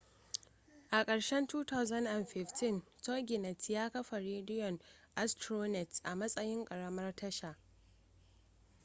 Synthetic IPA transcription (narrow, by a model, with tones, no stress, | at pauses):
ʔa˨kʼɐ˨ɽʃɛ˦ntuː˦ta˦wzɐ˦nʔa˨nɸɪ˨ɸtʰɪ˦ntɔ˦ɡʲɪ˨nɛ˨tjaː˦kɐ˦ɸa˨ɾeː˦dɪ˦jɔ˨nʔa˦stɾoː˦nɛ˨tʔa̰˨mɐ˦sʼɐ˦jɪ˦ŋkʼɐ˨ɽɐ˦mɐ˦rtɐ˦ʃa˨ʔ